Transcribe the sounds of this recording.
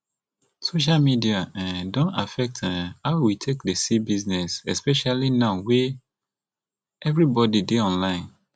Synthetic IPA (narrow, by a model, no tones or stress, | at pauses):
soʃ̬almidiãdõntafɛk̚tɛhaʊwitʰekdesibiznɛsɛ̰spɛʃalinãʊwe | ɛvɹibɔdideɔ̃nlãɪ̃n